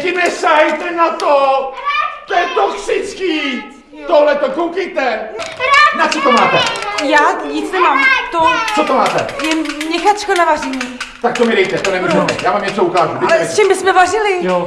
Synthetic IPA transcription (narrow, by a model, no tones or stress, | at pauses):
cɪnɛsaɦɛjt̪ɛnat̪o | t̪ojɛt̪oksɪt͡skiː | t̪oɦlɛt̪okowkejt̪ɛ | nat͡sot̪omaːt̪ɛjaːɲit͡snɛmamt̪ot͡sot̪omaːt̪ɛ̰jɛmɲɛxat̪t͡ʃkat̪navarɛɲiː | t̪ak̚t̪omɪɾɛjt̪ɛt̪onɛvɾʒɛmɛ̰jaːmamɲɛt͡soukaːʒuɡdɪalɛst͡ʃɛmbɪsmɛvarɪlɪjo